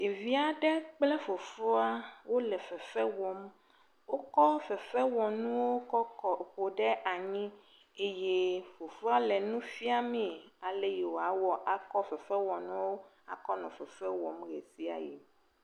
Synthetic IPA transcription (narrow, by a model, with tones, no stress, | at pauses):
e˨vi˦a˨ɖɛ˦k͡plɛ˦fo˨fo˦a˦wo˦lɛ˨fɛ˨fɛ˦wɔ˨m | wo˦kɔ˦fɛ˨fɛ˦wɔ˨nũ˦wo˦kɔ˦kɔ˨ɸo˨ɖɛ˦ʔa˨ɲĩ˦ | e˦je˦fo˨fo˦a˦lɛ˨nũ˦fi˦a˦mẽ˦˨a˨le˦je˨wo˨a˦wɔ˦ʔa˨kɔ˦fɛ˨fɛ˦wɔ˨nũ˦wo˦ | a̰˨kɔ˦nɔ̰̃˨fɛ˨fɛ˦wɔ˨mɣḛ˨si˦a̰˨jḛ˨